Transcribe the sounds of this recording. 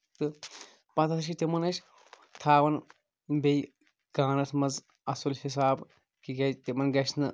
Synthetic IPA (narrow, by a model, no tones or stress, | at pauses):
t̪ɨ | pɐt̪ʰɐt̪ɐʃ̬kit̪imɐnɐʃʲ | t̪ʰaːʋɐn | bej | ɡaːnɐt̪ʰmɐz | ɐsulhis̬aːb | kiɡɐt̪imɐnɡɐʃnɨ